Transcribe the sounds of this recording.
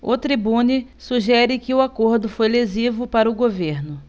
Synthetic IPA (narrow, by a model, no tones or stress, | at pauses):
ʊt̪ɾibũnisuʒɛɾɪkɪʊakoɾd̪ʊfojlezivʊpaɾɐʊɡoveɾnʊ